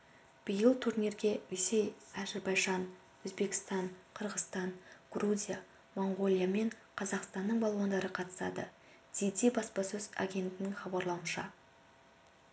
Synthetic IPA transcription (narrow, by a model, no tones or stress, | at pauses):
b̥ijəlˠt̪ʰuɾnʲe̞ɾɡʲe̞wesejæzɪɾbɑjʒɑn | wɵzbe̞kʲɪ̥st̪ɑɴqʰəɾʁəst̪ɑnɡ̥ruzʲija | mo̞ɴɡo̞lʲˠijame̞ɴqʰɑzɑqst̪ɑnːəɴbɑlˠwɑnd̪ɑɾəqʰɑt̪ə̥sɑ̰d̪ə̰ | d̪̥ejd̪ebɑspɑsɵz̥a̰ɡʲe̞nt̪ɪnɪŋχɑbɑɾlˠɑwənʃɑ̰